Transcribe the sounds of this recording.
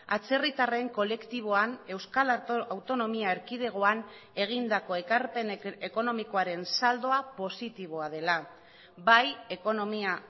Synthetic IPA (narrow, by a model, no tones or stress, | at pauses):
at͡se̞rit̪are̞ŋko̞le̞kt̪iβ̞o̞ane̞wskalawt̪o̞no̞miaeɾkið̞e̞ɣ̞o̞ane̞ɣ̞ind̪ako̞e̞kaɾpe̞ne̞ko̞no̞miko̞aɾe̞nsald̪o̞apo̞sit̪iβ̞o̞að̞e̞la | baje̞ko̞no̞mia